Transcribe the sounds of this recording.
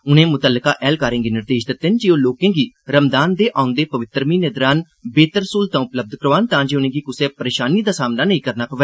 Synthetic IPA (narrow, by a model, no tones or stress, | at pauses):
ʊnẽːmʊt̪əlːəka̰ːʔɛːlkaːɾẽːɡiːnɪɾd̪eːʃd̪ɪt̪ːend͡ʒiːoːloːkẽːɡiː | ɾəmd̪aːnd̪eːʔãːʊ̃nd̪eːpəʋɪt̪ːɾmiːned̪ɾaːn | beːt̪əɾsuːlt̪ãːʊpləb̚d̪kəɾoaːnt̪ãːd͡ʒeːʊnẽːɡiːkʊsẽːpəɾeːʃaːniːd̪aːsaːmnaːnəĩːkəɾnaːpəʋɛː